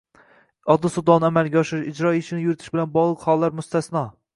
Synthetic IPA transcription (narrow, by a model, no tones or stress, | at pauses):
ɒd̪ːɨsʊd̪ɒnɪamalˠɡʲaɒʃɪʃɪd͡ʒɾɒɪʃɪnɪjʊɾɪt̪ʰɪʃbɪlanbɒʁlˠɨqhɒlˠːaɾmʊst̪ʰasnɒ